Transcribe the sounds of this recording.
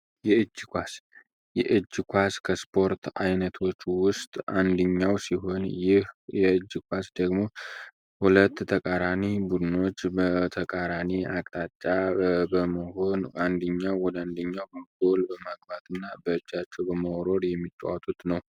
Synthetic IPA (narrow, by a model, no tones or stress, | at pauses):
jɛɨd͡ʒːkʷas | jɛʔɨd͡ʒːkʷaskʰəspʰo̞ɾt̪ʰajnət̪ʰo̞t͡ʃːwʊst̪ʼand̪ɨɲːawsiɦo̞njɪhjɛɨd͡ʒːkʷʰasd̪əɡmo̞ | hulət̪ːʰəkʼaɾanibud̪ɨno̞t͡ʃːbət̪ʰəkʼaɾaniakʼt̪ʼat͡ʃʼːabəməho̞nʔand̪əɲːawwɔd̪əand̪əɲːawbəɡo̞lbəmaɡbat̪ʰɨnːabəɨd͡ʒːat͡ʃːɛwbəməɾo̞ɾjɛmːit̪ʼːa̰wat̪ʼut̪nəw